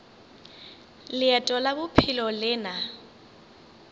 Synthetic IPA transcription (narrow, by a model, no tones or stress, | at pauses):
lɪɛtʼɔlabʊpʰɪlɔlɪːna